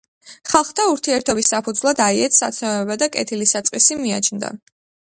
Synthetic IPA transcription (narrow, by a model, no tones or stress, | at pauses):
χalˠχt̪ʰauɾt̪ʰiɛɾt̪ʰɔbisːapʰud̪zlˠad̪aiɛt̪ʰsa̰t̪sʰnɔvɛbad̪akʼɛ̰t̪ʰilisat̪sʼqʼisimia̰t͡ʃʰnd̪a̰